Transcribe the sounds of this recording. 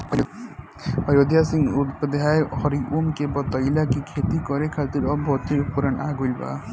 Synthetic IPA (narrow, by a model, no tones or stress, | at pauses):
pəɾod̪jasĩŋɡut̪pəd̪ɦaːehɔɾiʔumkebɔt̪ɔilakikʰeːt̪ikɔɾekʰat̪iɾɔbʱɔːt̪iɾpuɾəna̰ːɡolba̰ː